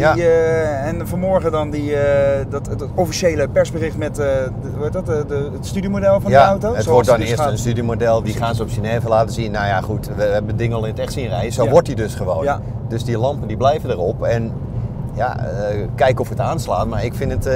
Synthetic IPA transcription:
ja | ɛnfɔnmɔɹɣədɔndidɔt | ofiʃejləpɛɹsbərɪxtmɛt | uetdɔtəətstydiəmodɛlˠfɔnjaəawtoətʋɔɹt̚dɔnɪəsənstydimodɛlˠdiχaːnsəɔpsinɛːvəlaːtəsinːajaχutʋəɛbəndɪŋəɔlˠɪnətɛxtsiənrɛjəsoːʋɔɹt̚didøsχəʋoːn | døsdilɑmpəndiblɛjvədərɔpɛn | ja̰əkɛjkɔfətaːnslaːnmaɹɪkfɪnət

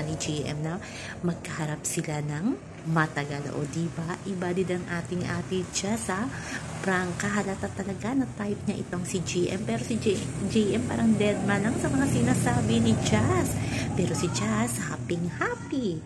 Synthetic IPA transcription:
nɪd͡ʒiʔɛ̰mnɐ | mɐɡ̚kɐhɐɾap̚sɪlanɐŋ | mɐt̪ɐɡal̰ʔo̰d̪ibaʔɪbaːd̪ɪd̪ɐŋʔaːt̪ɪŋʔa̰ːt̪ɪd͡ʒasɐpɾaŋkɐɦɐlɐt̪ɐt̪ːɐlɐɡanɐt̪ajp̚ɲɐʔɪ̰t̪o̞ŋsid͡ʒiːʔɛ̰mpɛːɾo̞sɪd͡ʒd͡ʒijʔɛmpaːɾɐŋd̪ɛt̪̚mɐlɐŋsɐmɐŋasɪnaːsaːbɪnɪd͡ʒaspɛːɾo̞sɪd͡ʒashaːpɪŋhaːpi

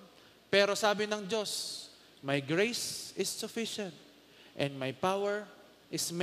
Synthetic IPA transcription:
pɛːɾosaːbɪnɐŋd͡ʒo̞s | majɡɹejsɪsːʊfɪʃɛ̃nt̪̚ | ʔɛ̃nd̪̚majpawɛɹ | ʔɪsm

